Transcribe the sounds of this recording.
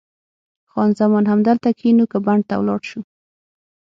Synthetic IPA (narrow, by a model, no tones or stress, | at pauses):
xɑnzamɔnhamd̪əlt̪akʰinukəbaɳɖ̚t̪a̰wlɑ̰ɽʃu